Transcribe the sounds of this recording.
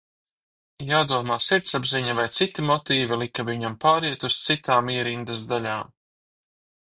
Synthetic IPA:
jaːd̪uɔmaːsiɾt̪sabziɲavajt̪sit̪imɔt̪iːvilˠikaviɲampaːɾiɛt̪ust̪sit̪aːmiɛɾind̪azd̪alʲaːm

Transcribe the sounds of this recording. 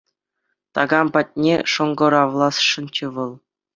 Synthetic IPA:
t̪ɑɡɑmpɑt̚ʲnʲḛʂɤ̆ŋɡɤ̆ɾɑʋlˠɑsʂɤ̆nt͡ɕɘ̆ʋɤ̆lˠ

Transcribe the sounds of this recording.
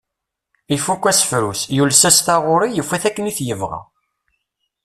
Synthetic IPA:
ifukʷːæsə̥fɾusjulsæst̪ɑʁʊɾijəfːæθækːəniθjəvʁa̰

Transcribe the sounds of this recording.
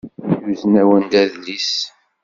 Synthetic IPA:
juznæwənd̪æðlis

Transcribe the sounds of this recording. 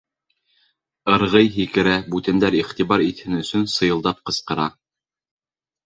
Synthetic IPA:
ɤ̆ɾʁɤjɦikɘ̆ɾæbʉt̪ɘ̆nd̪æɾiχt̪iβɑɾit̪hɘnɵ̆sɵnsɤ̆jɤ̆lˠd̪ɑp̚qɤ̆sqɤ̆ɾɑ

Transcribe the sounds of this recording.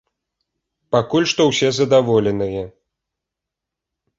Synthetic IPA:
pakulʲʂt̪ɔwsʲɛzɐd̪avɔlʲɛnɨjɛ

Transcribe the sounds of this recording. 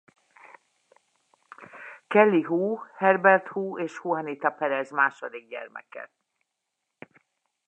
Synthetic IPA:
kɛlːiɦuːhɛrbɛrt̪huːeːʃhuɦɒnit̪ɒpɛɾɛzmaːʃod̪iɡ̚ɟɛ̰rmɛ̰kɛ̰

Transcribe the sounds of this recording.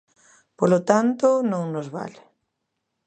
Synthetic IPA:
polot̪ant̪ʊnõŋnozβa̰l

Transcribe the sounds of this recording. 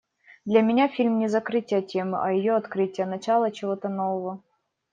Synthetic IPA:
d̪lʲamʲɪnʲafʲilʲmnʲɪzɐkɾɨtʲɪjətʲe̞mɨʔɐjɪjoɐt̪kɾɨtʲɪjənɐt͡ɕalˠət͡ɕɪvot̪ənovəvə

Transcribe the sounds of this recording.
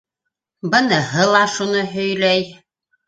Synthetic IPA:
bɤ̆nɤ̆ɦɤlˠɑʃunɤɦɵ̆jlæj

